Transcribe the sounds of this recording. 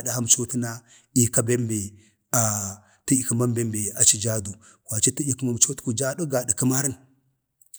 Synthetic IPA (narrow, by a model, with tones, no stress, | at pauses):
da˨ha˦m˨t͡ʃo˦ti˦na˦ | i˨ka˦be˦mbe˨ | a˨ | ti˦i˨ku˨ma˦mbe˦mbe˨a˨t͡ʃi˦d͡ʒa˦du˨ | kʷwa˨t͡ʃi˦ti˦i˦ku˦ma˨m˨t͡ʃo˦tku˨d͡ʒa˦du˦ɡa˨di˨kə˦ma˦ɾi˦n